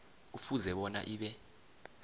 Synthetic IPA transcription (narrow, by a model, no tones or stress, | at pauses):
ufuzɛɓɔna̰ʔiːɓɛ